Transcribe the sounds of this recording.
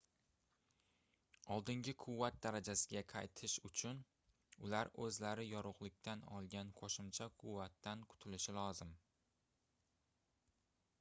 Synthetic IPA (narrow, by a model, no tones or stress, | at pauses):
ɒlˠd̪ɪŋɡʲɪkʰʊvːat̪̚d̪aɾad͡ʒasɪɡʲaqʰɑjt̪ʰɪʃʊt͡ʃʰʊn | ʊlaɾɵzlaɾɪjɒɾʊqlˠɪk̚ʲt̪ʰanɒ̰lˠɡʲanqʰoʃɪmt͡ʃʰakʰʊvːat̪ːankʰʊ̥t̪ʰɪlɪʃɪlɒzɪm